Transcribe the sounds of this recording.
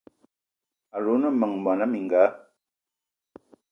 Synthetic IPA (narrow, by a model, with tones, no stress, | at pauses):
a˨ɾo˨˦nə˦˨mə˨ŋma˨na˦mi˨ŋɡaː˨˦